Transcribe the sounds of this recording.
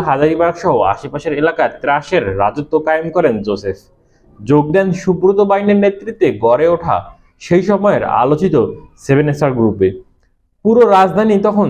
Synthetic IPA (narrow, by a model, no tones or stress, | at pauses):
ɦad͡ʑaɾibaɾkʃɔɦoa̰ʃepaʃeɾelakaet̪ɾaʃeɾːa̰d͡ʑot̪ːokajemkɔɾend͡ʑosef | d͡ʑoɡ̚d̪ɛnʃukɾot̪obajneɾnet̪ːɾit̪ːeɡɔɾeoʈʰa̰ | ʃejʃɔmɔeɾa̰lot͡ɕit̪osebʱenesaɾɡɾupe | puɾoɾad͡ʑd̪ʱanit̪ɔkʰon